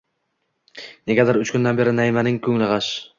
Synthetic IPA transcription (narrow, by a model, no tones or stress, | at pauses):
neɡʲad̪aɾʊt͡ʃkʰʊnd̪anbe̞ɾɪnajmanɪŋkʲʰɵŋlɪʁɑʃ